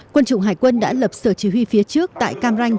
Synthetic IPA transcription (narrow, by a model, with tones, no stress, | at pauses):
kwə˧nt͡ɕʊ̰˧˨ŋ͡mɦaː˧˩jkwə˧nɗa̰ː˧˥lə˨˩p̚səː˧˩t͡ɕi˧˩ɦwi˧fi˨˦ət͡ɕɨ˦˥ək̚t̪a̰ː˧˨jkaː˧mza˧jŋ̟